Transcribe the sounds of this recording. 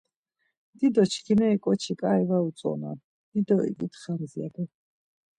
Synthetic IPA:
d̪̥id̪ɔt͡ʃʰkʰinɛikʼɔt͡ʃʰikʼaɛvausʼɔ̰na̰ | d̪̥id̪ɔḭɡit̪ʰχanziaɡɛ

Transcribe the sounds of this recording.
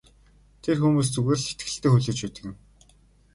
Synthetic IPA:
t̪ʰerxuːmuːs̬t͡sɵɣeːr̆ɮse̥t̪ɡɘ̆ɬt̪eːxuɮɘ̆ːt͡ɕpæːt̪ɘ̆kɘ̆n

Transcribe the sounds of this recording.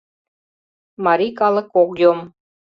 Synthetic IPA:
mɑɾikɑlˠəkːokjom

